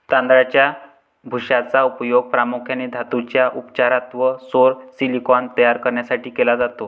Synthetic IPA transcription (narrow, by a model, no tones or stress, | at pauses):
t̪ãnd̪ɾat͡ɕja | bʱuʂat͡saupjoɡ̚pɾamukʰjaned̪ʱat̪ut͡ɕjaʔupt͡ɕaɾat̪ʋəsoɾsilikɔnt̪əjaɾkəɾɳjasaʈʰiːkelad͡zat̪o